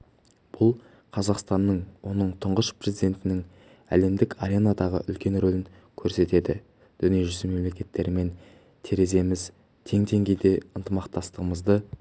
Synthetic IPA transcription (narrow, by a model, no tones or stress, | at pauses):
b̥ʊlˠ | qʰɑzɑqst̪ɑnːəɴwo̞nəɴt̪ʰʊɴʁəʃpre̞zijd̪e̞nt̪ɪnɪŋ | æ̰le̞md̪ɪkaɾʲe̞nad̪ɑʁə̰ʔʏlkʲe̞nɾolɪŋ | kʲʰɵɾse̞t̪e̞d̪ɪ̰ | d̪̥ʏnijeʒʏzɪme̞mle̞kʲe̞t̪ːe̞ɾɪme̞n | t̪ʰeɾe̞ze̞mɪz | t̪ʰe̞ŋt̪ʰe̞ŋɡʲe̞jd̪e̞ənt̪əmɑqt̪ɑst̪əʁəməzd̪ə